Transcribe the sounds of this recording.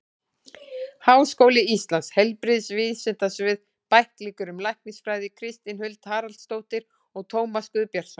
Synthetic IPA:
hawskowlɪist̪lanshɛlpɾɪðsvɪðsɛt̪asvɪð | pajhkliːkʏɾʏmlajhknɪsfɾajðɪkʰɾɪst̪inhʏlt̪haːɾalt̪st̪oːwt̪ɪɾ̥ | ɔɣt̪ʰoːwmaskʏðpjaɾ̥sɔn

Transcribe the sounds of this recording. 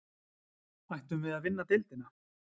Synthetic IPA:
vajht̪ʏmvɪðaðvɪnːat̪ɪlt̪ɪna

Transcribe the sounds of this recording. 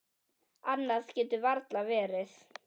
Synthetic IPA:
anːascɛːt̪ʏvaɾt̪lavɛːɾɪθ

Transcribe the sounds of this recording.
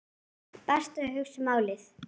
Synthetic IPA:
pɛst̪ahʏxsmaːwlɪθ

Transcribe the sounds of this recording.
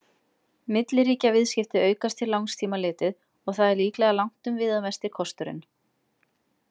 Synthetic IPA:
mɪt̪lɪɾiːcavɪðscɪft̪ɪœːɥkast̪ʰːɪlawŋst̪ʰiːmalɪːt̪ɪð | ɔɣθaðɛɾliːklɛɣalawŋ̥t̪ʏmvɪːðamɛst̪ɪkʰɔst̪ʏɾɪ̰n

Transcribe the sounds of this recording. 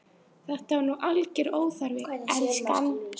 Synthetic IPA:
θɛht̪aɾnuʔalcɛɾoːwθaɾvɪɛnskan

